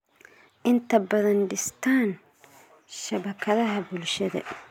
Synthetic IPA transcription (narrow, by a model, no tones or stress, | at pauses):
ʔɪnt̪ʰɐbɐðɐnɖɪst̪ʰaːn | ʃɐβɐkʰɐðɐɦɐbʊlʃɐðɐ̰